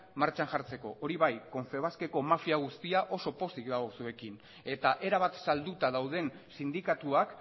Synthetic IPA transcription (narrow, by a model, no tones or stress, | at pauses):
maɾt͡ʃaŋʝaɾt͡se̞ko̞ʔo̞ɾiβajko̞ɱfe̞β̞aske̞ko̞mafiaɣ̞ust̪iaʔo̞so̞po̞sikd̪ao̞sue̞kin | e̞t̪aʔe̞ɾaβat̪sald̪ut̪aðawðe̞n | sind̪ikat̪uak